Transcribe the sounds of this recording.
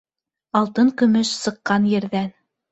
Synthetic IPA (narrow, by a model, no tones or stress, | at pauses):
ɑlˠt̪ɤŋkɵ̆mɵʃsɤ̆qːɑnjɘ̆ɾðæn